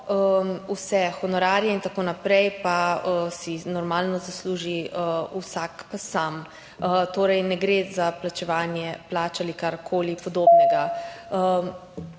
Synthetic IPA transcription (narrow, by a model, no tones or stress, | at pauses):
əmusɛxɔnɔɾaːɾjɛint̪akoːnapɾɛjpaəsinɔɾmaːlnɔzasluːʒiəusakpasam | ət̪oːɾɛjnɛɡɾezaplat͡ʃɛʋaːnjɛplaːt͡ʃalikaɾkʰoːlipɔd̪oːbnɛɡaə